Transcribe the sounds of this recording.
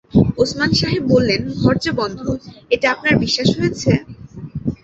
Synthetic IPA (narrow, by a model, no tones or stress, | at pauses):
osmanʃaɦib̚ːolːenɡʱɔɾd͡ʑebɔnd̪ʱueʈiapnaɾbiʃːaʃɦojet͡ɕʰe